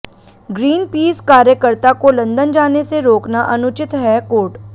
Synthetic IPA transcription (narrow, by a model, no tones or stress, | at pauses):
ɡɾiːnpiːskaːɾjəkəɾt̪akolɐ̃nd̪ənd͡ʒaːneseɾoːknaʔɐnʊt͡ʃɪt̪ɦɛkoːʈ